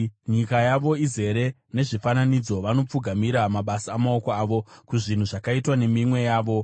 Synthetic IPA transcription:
ɲikajaʋo̞ize̞ɾe̞ | ne̞ʐifananid͡zo̞ʋano̞p͡fuɡʱamiɾamaɓasaːmao̞koaːʋo̞kuʐin̤uʐakaitwane̞mimwe̞jaːʋo̞

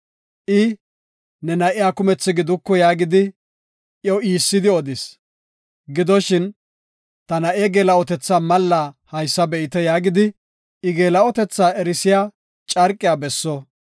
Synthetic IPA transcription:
ʔɪ | nɛnɐʔɪjaːkʊmɛt͡sːɪɡɪd̪ʊkːɔjaːɡɪd̪ɪ | ʔjɔwiːsːɪd̪ɪɔd̪ɪs | ɡɪd̪ɔʃɪn | t̪ɐnɐʔeːɡeːlɐɔt̪ɛt͡sːaːmɐlːaːhɐjsːɐbɛʔɪt̪ɛjaːɡɪd̪ɪ | ɪɡeːlɐɔt̪ɛt͡sːaːɛɾɪsɪjaː | t͡ʃʼɐɾkʼːɪjaːbɛsːɔ

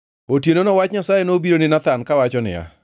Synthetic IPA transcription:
otjenonɔwat͡ʃɲasajenobiɾonɪnat̪ankawat͡ʃɔnɪ̰ja̰

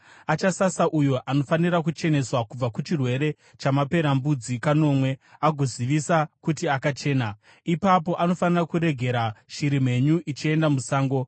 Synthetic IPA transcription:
at͡ʃasasaʔujoʔano̞fanirakut͡ʃe̞ne̞swakub͡vakut͡ʃirwe̞ɾe̞ | t͡ʃamape̞ɾambud͡zikano̞ːmwe̞aɡʱo̞ziʋisakutiakat͡ʃe̞ːna | ipapo̞ʔano̞fanirakuɾe̞ɡʱe̞ɾaʃiɾim̤e̞ɲuʔit͡ʃie̞ndamusaːŋɡo̞

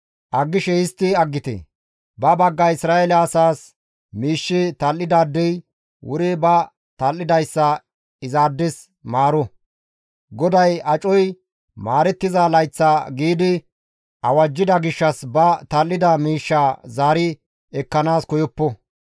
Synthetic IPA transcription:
ʔɐɡːɪʃɛɪst̪ːɪɐɡːɪt̪ɛ̰ | bɐbɐɡːɐɪsɾaːɛlɛɐsaːs | miːʃːɪt̪ɐlːɪd̪aːd̪ːɛj | wʊɾɪbɐ | t̪ɐlːɪd̪ɐjsːɐ | ɪzaːd̪ːɪs | maːɾɔ | ɡɔd̪ɐjɐt͡ʃʼɔj | maːɾɛt̪ːɪzalɐjt͡sːaɡiːd̪ɪ | ʔɐwɐd͡ʒːɪd̪ɐɡɪʃːɐsbɐt̪ɐlːɪd̪ɐmiːʃːaːzaːɾɪ | ɛkːɐnaːskɔjɔpːɔ

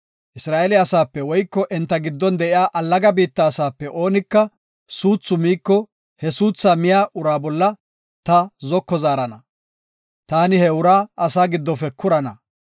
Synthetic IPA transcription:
ʔɪsɾaːʔɛlɪɐsaːpːɛwɔjkːɔʔɛnt̪ːɐɡɪd̪ːɔnd̪ɛʔɪjaːʔɐlːɐɡɐbiːt̪ːɐːsaːpːɛʔo̞ːnɪkːɐ | suːt͡sːʊmiːkːɔ | hɛsuːt͡sːaːmɪjaːʔʊɾaːbɔlːɐ | t̪ɐzɔkːɔzaːɾɐnɐ | t̪aːnɪhɛʊɾaːʔɐsaːɡɪd̪ːɔfɛkʰʊɾɐnɐ

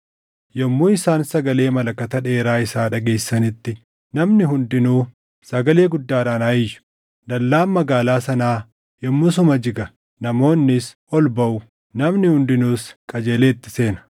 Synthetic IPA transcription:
jɔmːuːɪsaːnsɐɡɐle̞ːmɐlɐkːɐt̪ɐᶑe̞ːɾaːɪsaːᶑɐɡe̞ːsːɐnɪt̪ːɪ | nɐmnɪɦʊnd̪ɪnuː | sɐɡɐle̞ːɡʊd̪ːaːɾaːnaːjɪjʊ̥ | d̪ɐlːaːmmɐɡaːlaːsɐnaː | jɔmːʊs̬ʊmɐd͡ʒɪɡɐ | nɐmo̞ːnːɪsʔɔlbɐʔʊ | nɐmnɪhʊnd̪ɪnuːskʼɐd͡ʒe̞ːle̞ːt̪ːɪ̥se̞ːnɐ̥

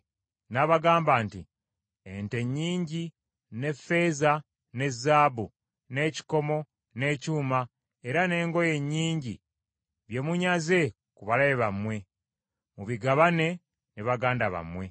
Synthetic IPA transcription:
naβaɡaːmbaːnti | ente̞ɲːiːɲɟi | ne̞fe̞ːza | ne̞zːaːbu | ne̞ːci̥ko̞mo̞ | ne̞ːcuːma | eɾane̞ːŋɡo̞je̞ɲːiːɲɟi | βje̞muɲaze̞ | kuβalaβeβamwe̞ | muβiɡaβane̞ | niβaɡaːndaβa̰mwe̞

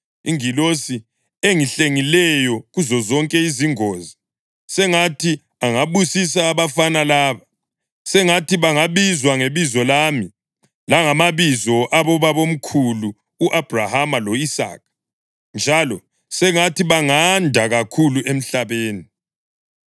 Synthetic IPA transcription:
iŋilosi | eŋiɬeŋilɛjɔɣuzɔzɔŋkʼɛiziŋoːzi | sɛŋatʰi | aŋaβusis̬aːβafanalaːβa | sɛŋatiβaŋaβizwaŋeβizɔlami | laŋamaβizɔʔaβɔβaβom̩kʰuluː | ʔab̥ʱrahamaloisa̰ːk̚ʰ | nd͡ʒʱalɔ | sɛŋatiβaŋandʱaɣakʰuluem̩ɬaβeːni

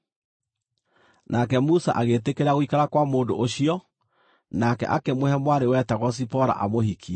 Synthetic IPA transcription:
nʔakɛmusa̰ʔaɣeːtekeɾaɣoikaɾakwamoːndoʔoɕijɔ | nakɛ̰ʔa̰kemohɛmwaɾewɛtaɣɔs̬ipɔɾa̰ʔa̰mohikʰi

